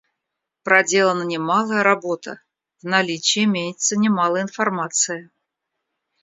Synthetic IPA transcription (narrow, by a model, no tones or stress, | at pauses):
pɾɐdʲe̞lˠənənʲɪmɑlˠəjəɾabo̞t̪ə̰ | vnalʲit͡ɕɪɪmʲejɪt̪sənʲɪmalˠəjɪnfɐrmat̪sɨjə